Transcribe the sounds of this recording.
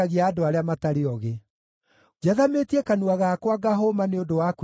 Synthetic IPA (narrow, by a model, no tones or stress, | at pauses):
aɣiaːdoaɾeamataɾeɔɣe | ɡaðametiɛkanuaɣaːkwaɡaɦomaneondowak